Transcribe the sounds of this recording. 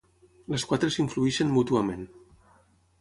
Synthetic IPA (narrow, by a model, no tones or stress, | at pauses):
ləskwat̪ɾəsiɱfluiʃənmut̪uəmẽn